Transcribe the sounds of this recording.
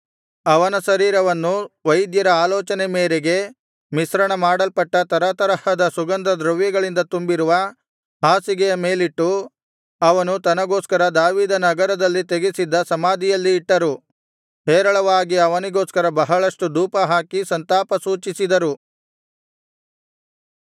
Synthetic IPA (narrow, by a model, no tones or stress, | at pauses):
ɐʋɐnɐsɐɾiːɾɐʋɐnːuʋɐjd̪jɐɾɐaːlɔːt͡ʃɐnemeːɾeɡe̞ | misɾɐɳɐmaːɽɐlpɐʈːɐt̪ɐɾɐt̪ɐɾɐhɐd̪ɐsuɡɐnd̪ɐd̪ɾɐʋjɐɡɐɭind̪ɐt̪umbiɾuʋɐ | ɦaːsiɡɛjɐmeːliʈːu | ɐʋɐnut̪ɐnɐɡoːskɐɾɐd̪aːʋiːd̪ɐnɐɡɐɾɐd̪ɐlːit̪eɡisid̪ːɐsɐmaːd̪ijɐlːiːʈːɐɾu | ɦɛːɾɐɭɐʋaːɡiɐʋɐniɡoːskɐɾɐbɐɦɐɭɐʂʈud̪uːpɐɦaːkisɐnt̪aːpɐsuːt͡ʃisid̪ɐɾu